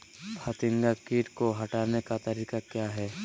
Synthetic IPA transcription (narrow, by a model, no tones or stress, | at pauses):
pʰat̪ɪ̃ŋɡakiːʈkoɦɐʈaːnekat̪ɐɾiːkakjaːɦɛː